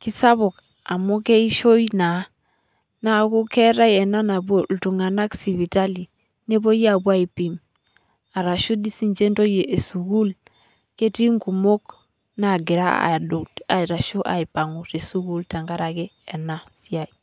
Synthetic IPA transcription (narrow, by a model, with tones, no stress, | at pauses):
ki˦sa˦βo˨k | a˨mo˦ke˦i˦ʃo˦jna˨˦ | na˦˨ku˦kɛ˦ɾa˦jɛ˨na˦na˨bo˦ltu˨ŋa˨na˦ksi˨βi˨ta˦li˨ | ne˦bo˦ja˨bwa˦i˨pi˨m | a˨ɾa˨ʃu˦di˦si˨nd͡ʒe˦nto˦je˨e˨su˨ɡu˦l | ke˦ti˦ŋɡu˨mo˦k | na˨ɡɪ˨ɾa̰˦a̰˨do˨ta˨ɾa˨ʃo˦ʔa̰˨i˨pa˨ŋu˨ɾe˨su˦ɡu˦lta˨ŋɡa˦ɾa˨ɡe˦ɛ˨na˦si˦a˨i˨